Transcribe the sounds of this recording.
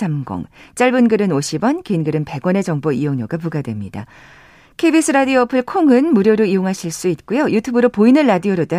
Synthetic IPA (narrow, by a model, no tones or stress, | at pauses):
amɡʌ̰ŋt͡ɕ͈aɭbɯnɡɯɾɯnoɕʰibʌnkeinɡɯɾɯnpe̞ɡwʌne̞d͡ʑʌŋboijoŋɲoɡap̬uɡadwe̞mɲida̰ | kʰebisʰɯɾadioʌpʰɯɭkʰoŋɯnmuɾjoɾoijoŋɦaɕʰiɭs͈uit̚k͈ujojutʰubɯɾopoinɯnɾadioɾot͈a